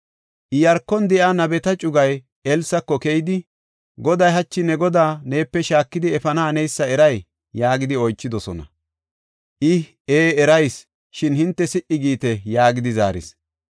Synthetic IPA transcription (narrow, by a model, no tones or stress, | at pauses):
ʔɪjɐɾkːɔnd̪ɛʔanɐbɛt̪ɐt͡ʃʼʊɡɐj | ɛlsɐkːɔkɛjd̪ɪ | ɡɔd̪ɐjɦɐt͡ʃːɪnɛɡɔd̪aːne̞ːpːɛʃaːkːɪd̪ɪɛfɐnɐːnɛjsːɐɛɾɐj | jaːɡɪd̪ɪɔjt͡ʃːɪd̪ɔsɔnɐ̰ | ʔɪ | eːɛɾɐjs | ʃɪnhɪnt̪ːɛsɪʔɪɡiːt̪ɛjaːɡɪd̪ɪza̰ːɾɪ̰s